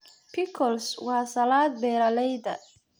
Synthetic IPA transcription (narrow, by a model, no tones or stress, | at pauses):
pʰɪkʰɔlswɑːsɐlaːd̪̚bɛːɾɐlɛjd̪ɐ̰